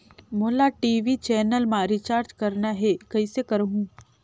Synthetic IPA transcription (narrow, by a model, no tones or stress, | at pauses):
moːlaʈiːʋit͡ʃɛːnəlmãɾit͡ʃaːɾd͡ʒkɐɾnaɦekɐisekəɾɦũ